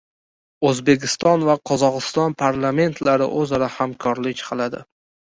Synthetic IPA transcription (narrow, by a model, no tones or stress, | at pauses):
ɵzbe̞kʲʰɪst̪ɒnvaqʰɒzɒʁɨst̪ɒnpʰaɾlˠame̞nt̪ʰlaɾɪ̰ʔɵzaɾahamkʰɒɾlɪkʲqʰɨlˠad̪ɪ̰